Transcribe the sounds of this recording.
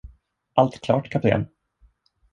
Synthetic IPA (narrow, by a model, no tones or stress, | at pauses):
ʔalt̪kʰlɑ̰ːʈkʰap̚t̪ʰḛːn